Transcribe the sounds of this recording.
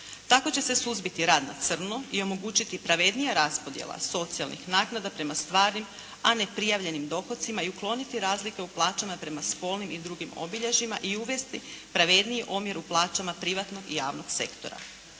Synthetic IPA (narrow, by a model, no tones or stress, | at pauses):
t̪ako̞t͡ɕe̞se̞suzbit̪iɾaːd̪na̰t̪sr̩noio̞mo̞ɡuːt͡ɕit̪ipɾaʋe̞d̪nijaɾaspo̞d̪jḛlˠa̰so̞t̪sialˠnḭxnaːknad̪apɾe̞mast̪ʋaːɾnim | ane̞pɾijaʋʎe̞nimd̪o̞xo̞t̪simaiuklˠo̞nit̪iɾaːzlike̞uplˠaːt͡ʃamapɾe̞masko̞ːlnimid̪ɾuɡimo̰biʎeʒimaʔiuʋe̞st̪ipɾaʋe̞d̪nijiʔomjeɾuplˠaːt͡ʃamapɾiʋat̪no̞ɡijaːʋno̞ɡse̞̰kt̪o̞̰ɾa̰